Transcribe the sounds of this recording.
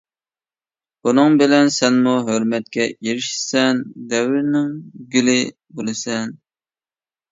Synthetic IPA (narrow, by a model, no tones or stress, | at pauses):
bunɨŋbɪlɛnsɛnmuɦøɾmɛt̪̚kʲɛjeɾɪʃsɛnd̪ɛwɾnɪŋɡʲylɪ | bolˠɨsɛn